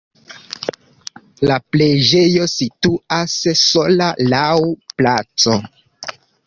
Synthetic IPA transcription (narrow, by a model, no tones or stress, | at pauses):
lapled͡ʒejo̞situasːo̞lalawplat͡so